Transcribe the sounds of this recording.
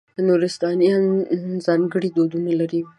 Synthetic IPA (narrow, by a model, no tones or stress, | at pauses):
nuɾɪst̪ɑnijɑnzɑŋɡəɽid̪od̪unalaɾi